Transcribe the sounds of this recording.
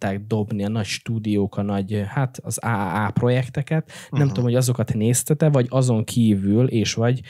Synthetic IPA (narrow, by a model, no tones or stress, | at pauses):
t̪ːaːɡ̚d̪o̞bniɒnɒcʃt̪uːd̪ijoːkɒnɒɟhat̪ɒzaːaːpro̞jɛkt̪ɛkɛt̪nɛmt̪uomho̞ɟɒzo̞kɒt̪neːst̪ɛt̪ɛvɒɟɒzo̞ŋkʰiːvylʔeːʃʋɒɟ